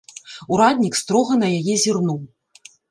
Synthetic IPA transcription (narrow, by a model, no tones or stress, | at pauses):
uɾad̪ʲnʲikst̪ɾɔɣɐnɐjajɛzʲirnuw